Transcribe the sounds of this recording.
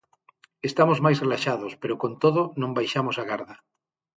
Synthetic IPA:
est̪amozmajsrelaʃaðospeɾokõnt̪oðonõmbajʃamosaɣaɾða

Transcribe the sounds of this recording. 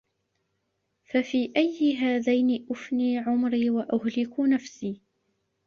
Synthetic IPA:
fafiːʔajːɪɦaːðajnɪʔʊfniːʕʊmɾiːwaʔʊhlɪkʊnafsiː

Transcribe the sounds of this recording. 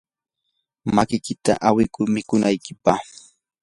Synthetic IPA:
makɪkɪt̪a̰ʔawɪkʊɾmɪkʊnajkɪpaχ

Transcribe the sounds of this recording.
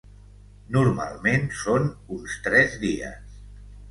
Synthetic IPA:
nuɾma̰lˠmensonunst̪ɾɛzðiə̰s

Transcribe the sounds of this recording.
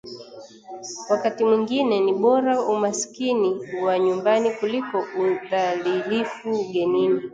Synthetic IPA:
wakatimwiŋɡinɛniɓɔɾaumaskiniwaɲumbanikulikɔuðalilifuɡɛnimi

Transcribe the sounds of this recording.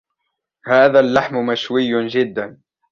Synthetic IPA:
haːðalːaħmmaʃwɪjːd͡ʒɪd̪ːan

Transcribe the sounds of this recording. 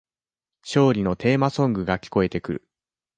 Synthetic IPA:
ɕo̞ːɾʲino̞t̪e̞ːmasõ̞ŋɡɯ̟ɡakʲi̥ko̞e̞t̪e̞kɯ̟ɾɯ̟̰

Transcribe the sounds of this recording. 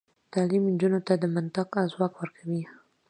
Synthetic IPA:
t̪ɑlimnd͡ʒunot̪ad̪əmant̪aqazwɑkwəɾkʰawi

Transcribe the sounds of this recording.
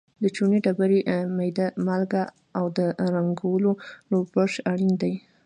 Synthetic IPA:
d̪ət͡ʃuniɖabaɾimajd̪amalɡa | awd̪əɾaŋɡawəlolobbəʂaɽind̪aj

